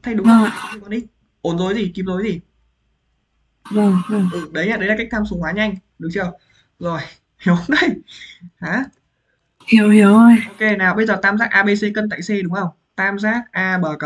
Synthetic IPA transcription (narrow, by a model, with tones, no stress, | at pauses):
t̪ʰa˨˧˩jɗʊ˨˦˧ə˧˨˩i˧˩kɔ˨˧nʔi˦˥t̚ | ʔo˨˦nzo˨˦jzi˨˩ki˨˦mzo˨˦jzi˨˩ | və˧˩mʔɨ˧˩ʔɨ˧˩ɗə˨˦jɲaː˧˩ɗə˨˦jlaː˨˩ka˦˥jk̚t̪ʰaː˧msu˨˦ŋwaː˨˦ɲa˧jŋ̟ | ɗʊ˨˦ŋ͡mt͡ɕi˧əw | zo˨˩j | hi˨˦wŋ͡mʔa˧˩jhaː˨˦ | hi˧˩ə˨wi˨˧˩ə˧jʔo˧ke˧˩naː˨˩wɓə˧jzəː˨˩t̪aː˧mzaː˦˥k̚ʔaː˧ɓe˧se˧kə˧nt̪a̰ː˧˨jse˧ɗʊ˨˦ŋ͡mŋʔə˧˩wŋ͡m | t̪aː˧mzaː˦˥k̚ʔaː˧ɓəː˨˩kə˨˧˦